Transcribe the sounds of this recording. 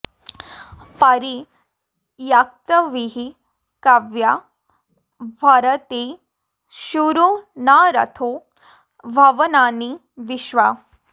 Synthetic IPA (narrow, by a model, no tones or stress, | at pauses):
paɾi | jak̚t̪əʋiɦi | kaʋja | bʱaɾət̪e | ɕuɾonaɾa̰t̪ʰo | bʱaʋənani | ʋiɕʋa